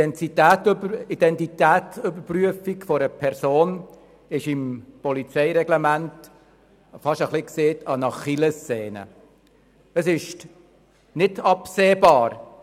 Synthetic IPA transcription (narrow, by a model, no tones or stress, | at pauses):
ɛntitæːtid̥ɛntit̪æːtʏbəɾpryəfikfɔɾəpʰɛɾsoːn | ɪʃɪmpɔlit͡sɛɪɾɛɡlɛmænt | fɑʃəχlɪkseːtɑnɑχiləst͡seːnə̰ | əsɪʃ | nɪdɑpseːbɑːɾ